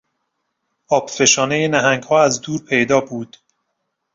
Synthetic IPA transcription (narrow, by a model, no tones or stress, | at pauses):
ɒːb̥fe̞ʃɒːnejenæɦæŋɡhɒːæzd̪uːɾpʰe̞jd̪ɒːbuːd̪̥